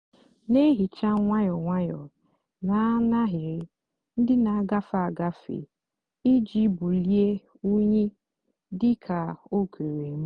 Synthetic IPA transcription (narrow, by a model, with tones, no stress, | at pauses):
ne˦ɦi˨t͡ʃa˦ŋʷa˦jɔ˨ŋʷa˦jɔ˨ | na˨˦na˦ɦɪ˨ɾɪ˦ | n̩˦dɪ˦na˨a˦ɡa˦fa˨a˨ɡa˦fḛ˨ | i˦d͡ʒi˦bu˨li˦e˦ | u˦ɲe˦ | dɪ˦kʰa˨o˦kʰe˨ɾe˨˦m̩˦